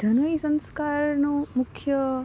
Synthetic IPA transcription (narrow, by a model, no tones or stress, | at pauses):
d͡ʒʱənʋəisə̃nskaɾnõmʊkʰjə